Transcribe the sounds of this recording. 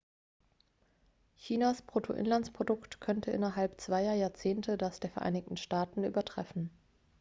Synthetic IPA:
çiːnaspʁ̥otʰo̰ʔɪ̰nlant͡spʁ̥odʊktkʰœntʰəʔɪnɐɦalpt͡sv̥aɪɐjaːɐt͡seːntʰədasd̥eːɐfɛɐʔa̰ɪnɪçtn̩ʃtaːtn̩ʔy̰ːbɐtʁ̥ɛ̰fn̩

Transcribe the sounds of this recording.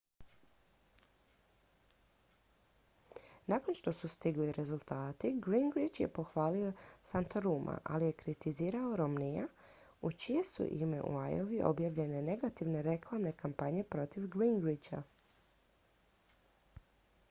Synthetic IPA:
naːko̞nʃt̪o̞sust̪iɡliɾʔe̞zulˠt̪aːt̪iɡɾiŋɡɾit͡ʃjḛpo̞xʋaːlio̞sant̪oɾuːmʔa̰ʔalije̞kɾit̪iziːɾao̞ɾomnija | ut͡ʃije̞sṵʔime̞̰ʔṵa̰joʋiʔo̞̰bjaʋʎe̞ne̞ne̞ɡat̪iʋne̞ɾe̞klˠamne̞kampaɲe̞pɾo̞t̪iʋɡɾiŋɡɾit͡ʃa̰

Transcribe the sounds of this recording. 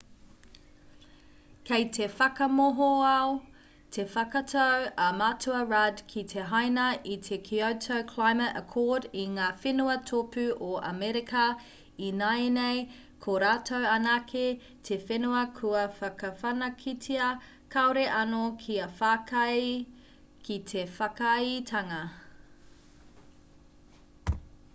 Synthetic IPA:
kejtʰefɐkɐmoɦoao | tʰefɐkɐtʰowɐmatʰuɐɹadkʰitʰeɦajnɐʔit̪ʰekʰiotʰowkʰlajmɐə̰kʰɔːdiŋaːfenuɐtʰopʉʔoɐ̰mɛɾikɐ | inaenej | kʰoɾaːtʰowɐnakʰe | tʰefenuɐkʰuɐfɐkɐfɐnɐkʰitʰiɐ | kʰɐoɾeʔɐnokʰiɐfakɐj | kit̪ʰefɐkjtʰɐŋɐ

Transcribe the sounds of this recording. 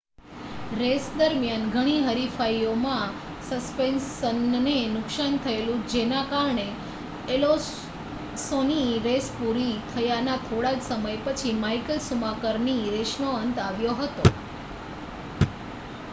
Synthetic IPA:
ɾesd̪əɾmjanɡʱəɽ̃iɦəɾifaiomã | səspensənnenʊksant̪ʰəelũd͡ʒenakaɾɳe | elo | soniɾespuɾit̪ʰəjanat̪ʰoɽad͡ʒsəməjpət͡ʃʰimajkəlsumakəɾniɾeʃnoənt̪aʋjoɦət̪o

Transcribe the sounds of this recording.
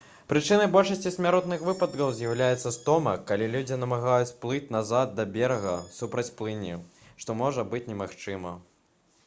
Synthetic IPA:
pɾɨt͡ʂɨnɐjbɔlʲʂɐsʲt͡sʲisʲmʲaɾɔt̪nɨxvɨpɐt̪kɐwzʲjɐwlʲajɛt̪sːɐst̪ɔmɐkːalʲilʲud͡zʲinɐmaɣajut͡sʲplˠɨt͡sʲnazad̪̚d̪ɐbʲɛɾɐɣɐ̰supɾɐt͡sʲplˠɨnʲi | ʂt̪ɔmɔʐɐbɨt͡sʲnʲɛmaxt͡ʂɨmɐ̰

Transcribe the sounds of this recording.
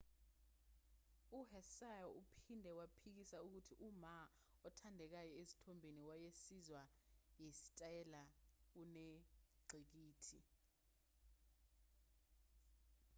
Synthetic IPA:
uhɛsajɔʔupʰindʱɛwapʰik̬isauk̬utʰiʔuma | ɔtʰandʱɛk̬ajɔezi̥tʰombʱeniwajesizwajesi̥tʼajɛlauneɡ͡ǀʱik̬iːtʰi

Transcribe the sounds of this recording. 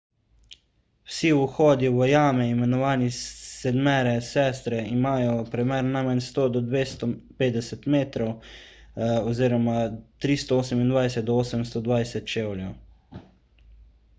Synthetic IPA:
wsiuxɔːd̪juʋəjaːmɛimɛnɔʋaːnisɛd̪mɛːɾɛsɛːst̪ɾɛimaːjɔpɾɛmɛɾnajmanʲst̪oːd̪ɔd̪ʋeːst̪ɔpeːd̪ɛsɛt̪meːt̪ɾɔw | ɔziːɾɔmat̪ɾist̪ɔoːsɛmind̪ʋajsɛt̪̚d̪ɔoːsɛmst̪ɔd̪ʋajsɛt̪̚t͡ʃeːwljɛw

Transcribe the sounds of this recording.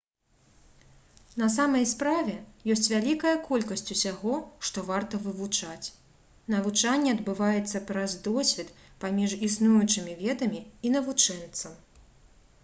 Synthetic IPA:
nɐsamɐjspɾavʲɛjɔsʲt͡sʲvʲalʲikɐjɐkɔlʲkɐsʲt͡sʲusʲaɣɔʂt̪ɔvart̪ɐvɨvut͡ʂat͡sʲ | nɐvut͡ʂanʲːɛɐd̪bɨvajɛt̪sːɐpɾɐzd̪ɔsʲvʲɛt̪ | pamʲiʐisnujut͡ʂɨmʲivʲɛd̪ɐmʲiinɐvut͡ʂɛnt̪sɐm

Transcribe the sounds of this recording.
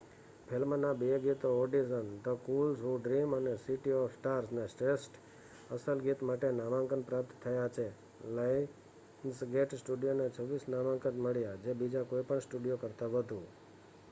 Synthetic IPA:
pʰelmənabieɡit̪ooɖizənt̪okulsɦuɖɾimənesiʈiɔʋsʈaɾsnesʈesʈ | əsəlɡit̪maʈenaʋãŋkənpɾap̚t̪t̪ʰːəjat͡ʃʰe | lai | nsɡeʈsʈuɖijonet͡ʃʰəʋːisnaʋãŋkənməɭjad͡ʒebid͡ʒakoipəɳsʈuɖijokəɾt̪aʋət̪ũ

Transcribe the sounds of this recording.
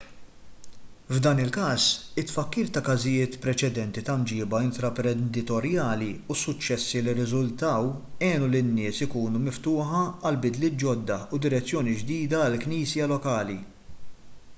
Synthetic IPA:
vd̪ɐːnɪlkɐːsɪt̪ːfɐkːiːɾt̪ɐkɐzɪjɪːt̪pɾɛt͡ʃɛd̪ɛnt̪it̪ɐmd͡ʒɪːbɐɪnt̪ɾɐpɾɛnd̪ɪt̪ɔɾjɐːliusʊt͡ʃːɛsːilɪɾɪzʊlt̪ɐwɛːnulɪnːɪːsɪkuːnumɪft̪ʊːħɐɐlbɪd̪lɪːt̪̚d͡ʒɔd̪ːɐud̪ɪɾɛt͡sːjɔːnid͡ʒd̪iːd̪ɐːlkniːsjɐlɔkɐːli

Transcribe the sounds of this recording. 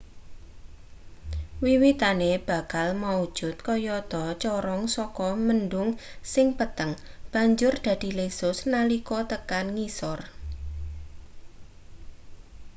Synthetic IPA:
wiwit̪aneb̥a̤kalmaud̥ʒ̥ʊ̤t̪̚kɔjɔt̪ɔt͡ʃɔɾɔŋsɔkɔmənɖʊŋsɪŋpət̪əŋ | b̥a̤ɲd͡ʒʊrd̪̥ä̤d̪̥i̤lesʊsnalikɔt̪əkanŋisɔr

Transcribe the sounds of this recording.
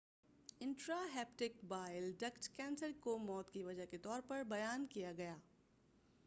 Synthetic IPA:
ɪ̃ɳʈɾaɦɛːp̚ʈɪkbaːɪɪlɖɐkʈkɛ̃ːnsəɾkomɔːt̪kiʋɐd͡ʒəɦket̪ɔːɾpɐɾbɐjaːnkijaɡɐjaː

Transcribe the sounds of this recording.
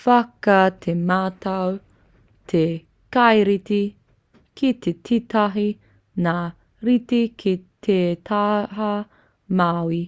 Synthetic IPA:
fɐkɐt̪ʰemaːtɐw | t̪ʰe | kajɾiti | kʰit̪etʰitɐɦi | na | ɾit̪ikʰit̪ʰet̪ʰaɦɐ | mawi

